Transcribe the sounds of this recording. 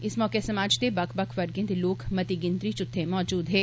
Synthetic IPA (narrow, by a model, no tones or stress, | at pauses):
ɪsmɔːkesɐmaːd͡ʒt̪ebɐkʰbɐkʰʋɐɾɡɪ̃nt̪loːkʰmɐt̪iɡɪ̃nt̪ɾit͡ʃʊt̪ʰːemɔːd͡ʒuːd̪ɦɛː